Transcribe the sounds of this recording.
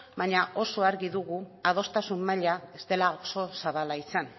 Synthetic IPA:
baɲaʔo̞so̞aɾɣiðuɣuað̞o̞st̪asumːaʎaest̪e̞laoso̞saβalaisan

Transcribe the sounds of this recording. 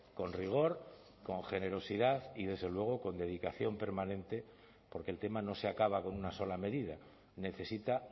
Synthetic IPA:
ko̞nriɣ̞o̞ɾ | ko̞ŋxe̞ne̞ɾo̞siðaθið̞e̞zðe̞lwe̞ɣ̞o̞ko̞nd̪e̞ð̞ikaθjo̞mpe̞ɾmanẽ̞nt̪e̞ | po̞ɾke̞lt̪e̞mano̞seakaβako̞nunaso̞lame̞ðið̞a | ne̞θe̞sit̪a

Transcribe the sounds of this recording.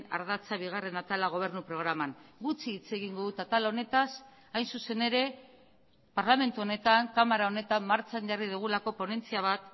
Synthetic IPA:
na̰ɾðat͡saβ̞iɣ̞are̞nat̪alaɣ̞o̞β̞e̞ɾnupɾo̞ɣɾamanɡut͡siːt͡se̞ɣ̞iŋɡo̞ðut̪at̪alo̞ne̞t̪as | ajnsuse̞ne̞ɾe̞ | paɾlame̞nt̪uo̞ne̞t̪aŋkamaɾao̞ne̞t̪amːaɾt͡saɲʝariðuɣ̞ulako̞po̞ne̞nt͡siaβ̞at̪

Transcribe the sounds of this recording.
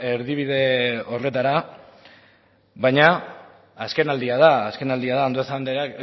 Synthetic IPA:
e̞ɾðiβ̞iðe̞o̞re̞t̪aɾa | βajɲa | aske̞nald̪iað̞aːske̞nald̪iaðaond̪oesand̪eɾak

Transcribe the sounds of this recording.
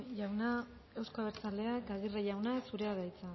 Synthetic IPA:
jawna | e̞wskoaβeɾt͡sald̪e̞akaɣ̞ireʝawnasuɾe̞aðajt͡sa

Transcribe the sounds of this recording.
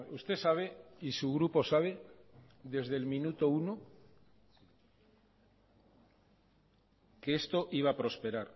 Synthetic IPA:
ust̪e̞saβ̞e̞isuɣ̞ɾupo̞saβ̞e̞ | ðe̞zðelmĩnut̪o̞uno | keest̪o̞ʔiβ̞apɾo̞spe̞ɾaɾ

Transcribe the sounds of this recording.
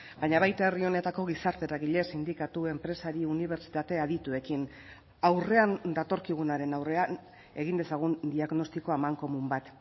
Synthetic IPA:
bajɲaβajt̪aerio̞ne̞t̪ako̞ɣ̞isaɾt̪e̞ɾaɣiʎe̞sind̪ikat̪ue̞mpɾe̞saɾiuniβ̞e̞ɾt͡ʃi̥t̪at̪e̞aðit̪ue̞kin | awre̞and̪at̪o̞ɾkiɣ̞unaɾe̞nawre̞an | e̞ɣind̪e̞saɣ̞und̪iaɣno̞st̪iko̞amaŋko̞mumbat̪

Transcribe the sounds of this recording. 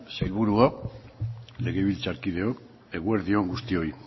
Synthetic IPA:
sejlβuɾua | le̞ɣeβilt͡saɾkið̞e̞ok | eɣweɾðioŋɡust̪io̞i

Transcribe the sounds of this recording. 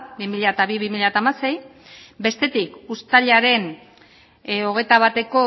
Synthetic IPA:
bimiʎat̪aβiβimiʎat̪aːmase̞j | be̞st̪e̞t̪ikust̪aʎaɾe̞n | o̞ɣe̞jt̪aβ̞at̪e̞ko̞

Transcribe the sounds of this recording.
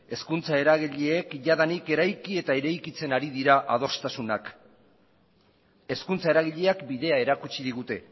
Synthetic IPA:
e̞skunt͡sae̞ɾaɣiʎeːkʝaðanike̞ɾajkie̞t̪aeɾajkit͡se̞naɾiðiɾaʔað̞o̞st̪asunak | e̞skunt͡sae̞ɾaɣiʎe̞akbiðe̞ae̞ɾakut͡ʃiðiɣ̞ut̪e̞

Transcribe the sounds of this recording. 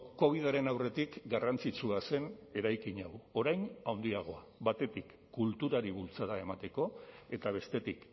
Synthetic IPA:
ko̞β̞iðaɾe̞nawre̞t̪ikɡarant͡sit͡suase̞ne̞ɾajkiɲawo̞ɾajnawnd̪iaɣ̞o̞a | βat̪e̞t̪ikːult̪uɾaɾiβult͡saðae̞mat̪e̞ko̞e̞t̪aβ̞e̞st̪e̞t̪ik

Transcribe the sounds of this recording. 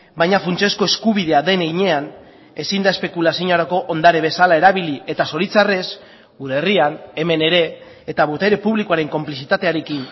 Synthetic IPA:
bajɲafunt͡ʃe̞sko̞e̞skuβiðe̞aðe̞neɲe̞an | e̞sind̪aespe̞kulasioɲoaɾako̞ʔond̪aɾe̞β̞e̞salae̞ɾaβilie̞t̪aso̞ɾit͡sare̞s | uɾe̞riane̞me̞ne̞ɾe̞ː | t̪aβut̪e̞ɾe̞puβlikoaɾe̞ŋko̞mplisit̪at̪e̞aɾe̞kin

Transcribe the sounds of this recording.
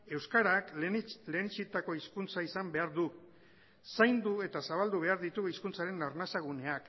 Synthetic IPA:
e̞wskaɾakle̞ːnit͡ʃit̪ako̞iskunt͡saisambe̞aɾðu | sajnd̪ue̞t̪asaβald̪uβ̞e̞aɾðit̪uiskunt͡saɾe̞naɾnasaɣ̞une̞ak

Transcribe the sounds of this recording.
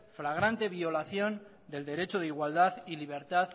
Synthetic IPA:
flaɣ̞ɾant̪e̞β̞io̞laθjo̞n | d̪e̞ld̪e̞ɾe̞t͡ʃoð̞eiɣwald̪aðiliβ̞e̞ɾt̪að

